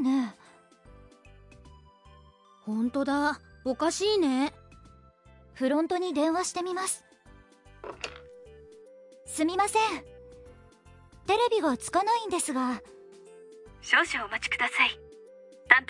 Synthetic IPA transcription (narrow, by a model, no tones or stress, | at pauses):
ne | hõ̞nt̪o̞d̪aokaɕiːne̞ | ɸɯ̟ɾõ̞nt̪o̞ɲ̟id̪ẽ̞ɰ̃βaɕi̥t̪e̞mʲimasɨ̥ | sɨmʲimasẽ̞ɴ | t̪e̞ɾe̞bʲiɡat͡sɨ̥kanaĩnd̪e̞sɨɡa | ɕo̞ːɕiːmat͡ɕi̥kɯ̟d̪asai | nãnt̪